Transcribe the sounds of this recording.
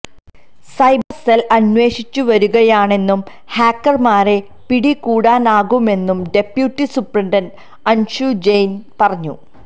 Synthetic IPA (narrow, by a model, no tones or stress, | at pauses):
sɐjbɐrselɐnwe̞ːɕit͡ɕːuʋɐɾuɣɐjaːɳe̞nːum | haːkːɐrmaːre | piɽikuːɽaːnaːɣume̞nːumɖe̞pjuːtːisuprɐɳɖɐn | ɐnɕud͡ʑejnpɐrɐɲːṵ